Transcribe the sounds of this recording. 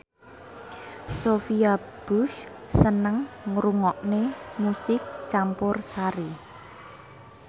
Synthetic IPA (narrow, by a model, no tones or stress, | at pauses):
sofia | b̥us | sənəŋŋɾuŋɔʔnemusɪk̚t͡ʃampʊrsaɾi